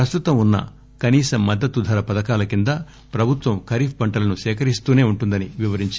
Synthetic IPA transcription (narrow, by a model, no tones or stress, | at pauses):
ɾɐst̪ut̪ɐmunːɐ̰ | kɐniːsɐmːɐd̪ːɐt̪ːud̪ʱɐɾɐpɐd̪ɐkaːlɐkind̪ɐ | pɾɐbʱut̪ʋɐmkʰɐɾiːfʰbɐɳʈɐlɐnuʃɛːkɐɾist̪uːne̞ːuɳʈund̪ɐniʋiʋɐɾiɲt͡ʃ